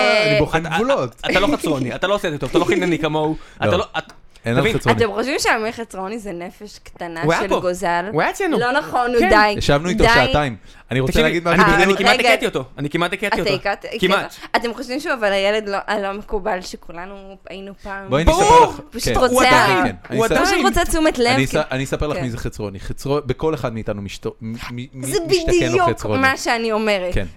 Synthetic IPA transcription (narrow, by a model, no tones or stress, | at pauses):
nioimvulotaaloχat͡sʁoniat̪aloːset̪ot̪ovat̪aloxinanikamoua̰taloat | navinanemχoʃvimʃeamiχat͡sʁonizenefeʃkt̪anawʃeloɡozalwat͡senulonaχonud̪ajjaʃavnuit̪odʃataim | aniʁotaɡid̪aanianikiaɡ̪ekat̪iot̪oanikimat̪ekatiotaikat̪kimaat̪e̞mχoʃvimʃuavalajeled̪loʔalo̞mekubalʃekulanuajinupaːmboajnbpaʃkut̪ʁot͡seaenanipaʃut̪ʁot͡set͡sumet̪levniaanisɐpeʁlaχmizeχet͡sʁoniχet͡sʁobeko̞leχad̪miːt̪anumiʃtomimziebiʃdt̪aiuekomaʃeanio̞meʁetken